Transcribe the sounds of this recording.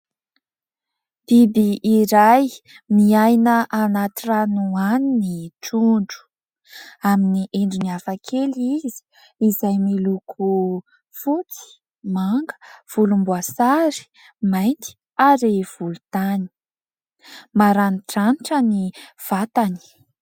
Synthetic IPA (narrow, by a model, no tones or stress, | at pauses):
b̥ibiʔːɾaj | miajnəʔanat̪iranuaniniʈ͡ʂuɳɖ͡ʐu̥ | aminiʔeɳɖ͡ʐiniafakʰelizi̥ | izajmilukʰu | fut͡si̥ | maŋɡə̥v̥ulumbuasaɾi̥ | majnt̪i̥ | aɾev̥ulut̪ani̥ | maɾanʈ͡ʂaniʈ͡ʂəniv̥at̪ani̥